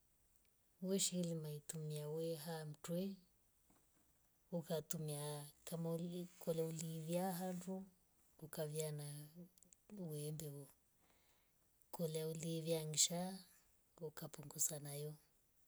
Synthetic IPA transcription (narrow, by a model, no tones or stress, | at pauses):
wɛʃilimaitumiawɛɦam̩twɛ | ukatumiakamakʰɔlɛuliβjaɦandu | ukaβjana | wɛmbɛɔ | kɔlauliβjaŋiʃa | ukapuŋɡusanajɔ